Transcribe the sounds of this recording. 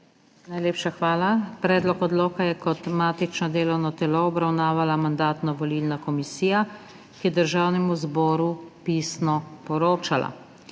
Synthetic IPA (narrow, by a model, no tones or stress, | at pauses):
najleːpʃaxʋaːlapɾɛːd̪lɔkɔd̪loːkajɛkɔt̪maːt̪it͡ʃnɔd̪eːlɔwnɔt̪ɛlɔɔbɾawnaːʋalamand̪aːt̪nɔʋɔlilnakɔmisiːja | kijɛd̪əɾʒaːwnɛmuzbɔːɾupiːsnɔpɔɾoːt͡ʃala̰